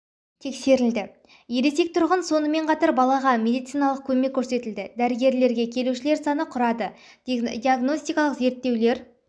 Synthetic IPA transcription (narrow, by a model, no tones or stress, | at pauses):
t̪ʰe̞kse̞ɾɪld̪ɪ | je̞ɾese̞k̚t̪ʰʊɾʁənso̞nəme̞ɴqʰɑt̪ɑɾbɑlˠɑʁɑmʲe̞d̪ijt̪sijnɑlˠəq̚kʲʰɵme̞kʲʰːɵɾse̞t̪ɪld̪ɪd̪æɾɪɡʲe̞ɾle̞ɾɡʲe̞kʲʰe̞luʃɪle̞ɾsɑnəqʰʊɾɑd̪ə | d̪iaɡno̞sʲt̪ijkɑlˠəqze̞ɾt̪ːe̞wle̞ɾ